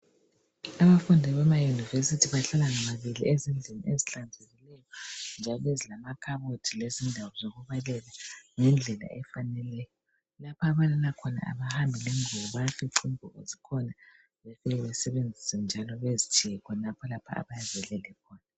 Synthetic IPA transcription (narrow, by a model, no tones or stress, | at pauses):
aβafundʱɛβɛmajunivesitʰiβaɬalaŋamaβiliezind͡ɮʱinieziɬand͡zʱeɣilɛjɔnd͡ʒʱalɔezilamakʰaβotʰilezindʱawɔzoɣuβalɛlaŋɛnd͡ɮʱɛla̰ʔɛfanɛlɛjɔ | lapʰaːβalalakʰɔna̰ʔa̰βahambʱileŋuβɔβafiǃʰimbʱɔezikʰɔna | βefiɛβɛsɛβend͡zʱisɛnd͡ʒʱalɔβezit͡ʃʰijɛkʰɔnapʰɔlapʰa̰a̰βajazɛlɛlɛkʰɔːna